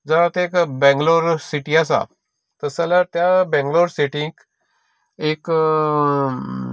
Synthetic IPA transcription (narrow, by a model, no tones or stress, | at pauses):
d͡zəɾat̪ekbɛ̃ŋɡloɾsiʈiasa̰ | t̪əsalat̪jabɛ̃ŋɡloɾsiʈĩk | ek